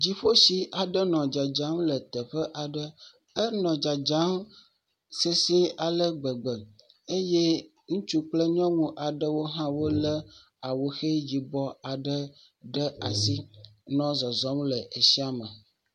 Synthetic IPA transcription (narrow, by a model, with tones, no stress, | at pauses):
d͡ʑi˨ɸo˦si˨ʔa˨ɖə˦nɔ̃˨d͡ʒa˨d͡ʒa˨˦mlə˨t̪ə˨ɸə˦ʔa˨ɖə˦ | ə˦nɔ̃˨d͡ʒa˨d͡ʒa˨˦m | se˦si˦a˨lə˦ɡ͡bə˨ɡ͡bə˨ | e˦je˦ | ŋũ˦t͡ʃu˦k͡plə˦ɲɔ̃˦ŋũ˦ʔa˨ɖə˦wo˦ɦã˦wo˦lə˦ | a˨wo˨xe˦d͡ʑi˨bɔ˦a˨ɖə˦ | ɖə˦a̰˨si˦nɔ̃˦zɔ˨zɔ˨˦mlə˨ʔe˨si˦a˨mə˨